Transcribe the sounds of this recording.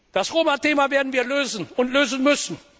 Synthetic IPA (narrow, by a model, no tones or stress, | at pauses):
d̥asʁoːmateːmaveːɐdn̩viːɐløːzən̩ʊntløːzən̩mʏsn̩